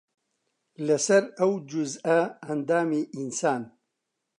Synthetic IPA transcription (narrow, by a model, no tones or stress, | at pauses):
lɐsɐɾɐwd͡ʒuzɐɐnd̪aːmeːʔinsaːn